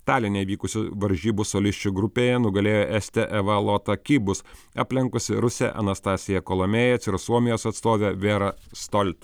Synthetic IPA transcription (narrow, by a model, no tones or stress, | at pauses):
t̪ɑːlʲɪnʲeɪʋʲiːkʊsʲʊʋɐɾʲʒʲiːbʊsoːlʲɪsʲt͡ʃʲuɡɾʊpʲeːjɛnʊɡɐlʲeːjoːʔɛsʲt̪ʲɛʔɛʋɐlˠoːt̪ɐkʲiːbʊsɑ̰ːpʲlʲɪŋkʊsʲɪɾʊsʲɛ̰ʔɐ̰nɐst̪ɑːsʲɪjɛkoːlˠomʲeːjɛsɪɾsuɔmʲɪjoːsɐt̪st̪oːʋʲeʋʲeːɾɐst̪ɔlʲt̪ʲ